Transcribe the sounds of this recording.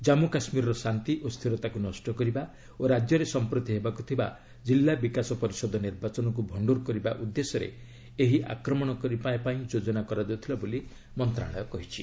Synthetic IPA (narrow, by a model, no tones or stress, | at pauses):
d͡ʒamukasmiɾɔɾɔsant̪iʔost̪ʰiɾɔt̪akunɔsʈɔkɔɾiba | oɾad͡ʒjɔɾesɔmpɾot̪iɦebakut̪ʰiba̰ | d͡ʒilːabikasɔpɔɾisɔd̪ʱɔniɾbat͡ʃɔnɔk̬ubʱɔɳɖuɾkɔɾiba̰ʔud̪ːesɔɾḛ | eɦiʔa̰kɾɔmɔɽ̃ɔkɔɾipaẽpaĩd͡ʒod͡ʒɔnakɔɾad͡ʒeut̪ʰilaboli | mɔnt̪ɾa̰ɭɔjɔkɔɦit͡ʃʰi